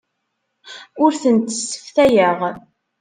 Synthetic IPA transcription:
ʊɾθənt̪ə̥sːə̥fθæjəʁ

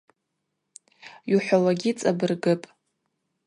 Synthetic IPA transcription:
juħʷawaɡʲit͡sʼabɨrɡɨpʼ

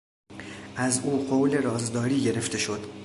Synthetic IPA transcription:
ʔæzuːɢowle̞ɾɒːzd̪ɒːɾiːɟe̞ɾe̞ft̪ʰe̞ʃo̞d̪̥

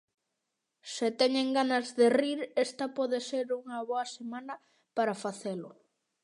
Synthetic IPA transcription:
sɪt̪ɛɲeŋɡanazðeriɾest̪ɐpɔðeseɾuŋɐβoɐsemanɐ | paɾafaθelʊ

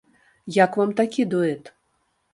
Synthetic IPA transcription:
jakvamt̪akʲid̪ɔɛt̪

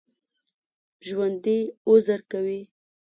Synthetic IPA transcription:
ʒwand̪iʊzaɾkawi

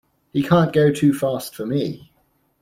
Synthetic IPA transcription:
hikʰɑ̃ˑnɡ̥əʊtʰʉːfɑˑstfəmi

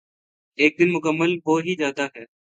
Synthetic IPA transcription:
eːk̚d̪ɪnmʊkəmːəlboːɦiːzjaːd̪aːɦɛː

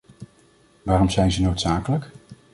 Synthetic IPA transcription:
ʋaːrɔmzɛjnzənowtsaːkələk

